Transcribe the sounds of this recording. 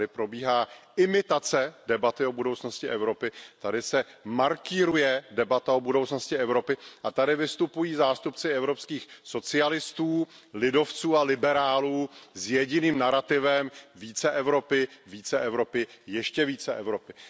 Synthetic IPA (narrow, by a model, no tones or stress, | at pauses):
ɪpɾo̞biːɦaːʔɪmɪt̪at͡sɛdɛbat̪ɪo̞budowt͡sno̞scɪʔɛvɾo̞pɪt̪adɪsɛmaɾkɪɾujɛdɛbat̪aobudo̞wt͡sno̞scɪɛvɾo̞pɪʔat̪adɪvɪst̪upujiːzaːst̪upt͡sɪɛvɾo̞pskiːxso̞t͡sɪalɪst̪uː | lɪdo̞ft͡suːalɪbɛɾaːluːzjɛɟɪniːmnaɾat̪ɪvɛmviːt͡sɛʔɛvɾo̞pɪviːt͡sɛʔɛvɾo̞pɪjɛʃcɛviːt͡sɛʔɛvɾo̞pɪ